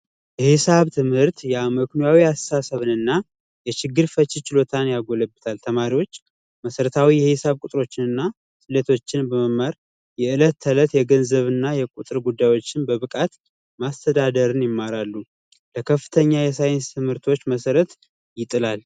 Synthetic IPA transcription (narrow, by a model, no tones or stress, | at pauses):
jɛhɪsaβt̪ʰɨmhɨɾt̪jɛməknojawiasasəβɨnɨnːa | jɛt͡ʃɪɡːɨɾfət͡ʃːɪt͡ʃɪlo̞t̪ʰanjaɡo̞ləbːɨt̪ʰalt̪ʰəmaɾiwo̞t͡ʃː | məsəɾət̪ʰawijɛhɪsaβkʼut̪ʼɾo̞t͡ʃːɪnɨnːa | sɨlet̪ʰo̞t͡ʃːɪnbəməmaɾ | jɛɨlət̪ʰːələt̪jɛɡənzəβɨnːajɛkʼut̪ʼɨɾɡud̪ːajwo̞t͡ʃːɪnbəβɨkʼat̪ | mast̪ʰəd̪ad̪əɾɨnjɪmːaɾalːu | ləkʰəfːɨ̥t̪ʰəɲːajɛsajɪnst̪ʰɨmhɨɾt̪ʰwo̞t͡ʃːməsəɾət̪ | jɪt̪ʼɨlal